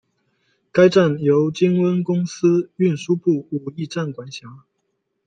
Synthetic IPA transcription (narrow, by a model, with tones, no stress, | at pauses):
ka˥ɪʈ͡ʂa˥˩njo˧˥ʊt͡ɕi˥ŋwə˥nkʊ˥ŋs̩˥y˥˩nʂu˥pu˥˩u˨˩i˥˧ʈ͡ʂa˥˩nkwa˨˥nɕja˧˥˦ŋ